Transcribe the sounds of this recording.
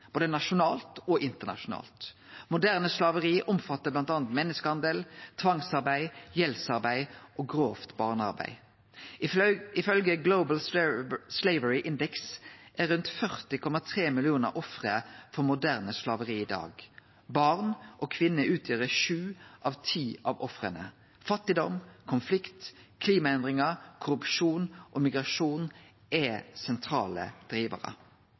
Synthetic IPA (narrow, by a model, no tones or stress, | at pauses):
b̥oːd̪ənɑʃʊnɑːlt̪ɔʔɪnt̪əʁnɑ̰ʃʊnɑ̰ːlt̪mʊd̪æʁnəslɑːʋəʁiːʔʊmfɑt̪ːəblɑnt̪ɑːnt̪mɛnːəskəhɑnd̪əlt̪ʰʋɑŋsɑʁbæɪjɛlsɑʁbæɪʔoːɡʁoːft̪bɑːʁnɑ̰ʁbæ̰ɪ | ɪfœlɡəɡloʊbəl̩sleɪʋəɹɪʔɪnd̪ɛksʔæɾʁʉnt̪fœʁt̪ɪkʰɔmɑt̪ʰʁeːmɪlɪuːnə̰ʔɔfʁəfɔʁmʊd̪æʁnəslɑʋəʁiːiːd̪ɑ̰ːɡ | bɑʁnʔoːkʰʋɪnːəʔʉːt̪ʰjøːʁəʃʉːʔɑːʋt̪ʰiːʔɑʋɔfʁənə̰ | fɑt̪ːɪd̪ɔmkʰʊnflɪkt̪kʰliːmɑɛnd̪ʁɪŋəkʰʊɾʉpʃuːnʔoːmɪɡʁɑʃuːn | ʔɛsɛnt̪ʰɾɑ̰ːlə̰d̪̥ʁiːʋə̰ʁə̰